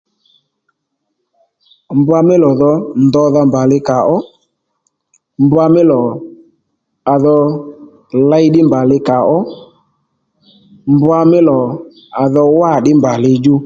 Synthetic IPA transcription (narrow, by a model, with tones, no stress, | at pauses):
mbʊ˦a˧mɪ˦lɔ˨ðɔ˧nd̪ɔ˧ða˧mba˨lɪ˦ka˨ʔɔ˦ | mbʊ˦a˧mɪ˦lɔ˨ | a˨ðɔ˧ | la˦jɗɪ˦mba˨lɪ˧ka˨ɔ˦ | mbʊ˦a˧mɪ˦lɔ˨ | a˨ðɔ˧wa˦˨ɗɪ˦mba˨lɪ˧d͡ʒu˦